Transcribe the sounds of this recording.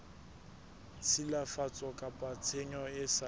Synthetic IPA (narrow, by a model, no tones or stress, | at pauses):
t͡sʰilafat͡sʼɔkʼapʼat͡sʰeɲɔɪsa